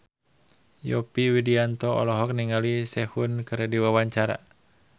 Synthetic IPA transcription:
jɔpiwidiant̪ɔɔ̰lɔɦɔk̚niŋalisɛhunkɨɾɛdiwawaɲt͡ʃaɾa̰

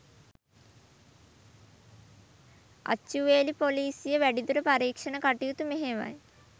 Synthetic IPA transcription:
a̰t͡ʃːuʋeːlipoliːsijəʋæɖid̪uɾəpaɾiːkʂənəkaʈijut̪umeɦeʋa̰j

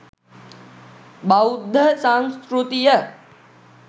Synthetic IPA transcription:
bawd̪ʱːəsanskɾut̪ijə

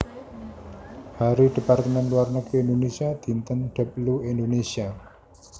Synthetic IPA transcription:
haɾiɖ̥e̤part̪əmɛnluwarnəkiend̪onesiad̪̥i̤nt̪ənɖ̥ə̤p̚luendonesia

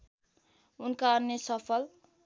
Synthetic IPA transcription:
unkaːnːesʌpʰʌl

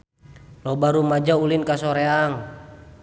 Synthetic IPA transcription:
lɔbaɾumad͡ʒaulinkasɔɾeaŋ

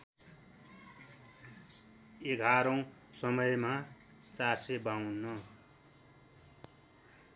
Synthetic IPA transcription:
eɡʱaɾʌw̃sʌmʌjma | t͡sarsebawnːʌ

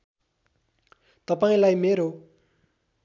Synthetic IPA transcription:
t̪ʌpaĩlajmeɾo

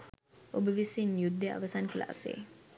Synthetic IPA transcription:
ʔobəʋisinjud̪ːea̰ʋɐsankəla̰ʔa̰sḛ

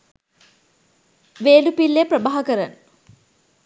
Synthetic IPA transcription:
ʋeːlupilːepɾəbaːɦɐkəɾan

